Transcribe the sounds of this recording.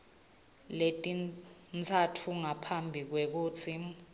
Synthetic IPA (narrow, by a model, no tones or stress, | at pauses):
letʼint͡sʰatʰuŋapʰambʱik̬wek̬uːt͡sʰi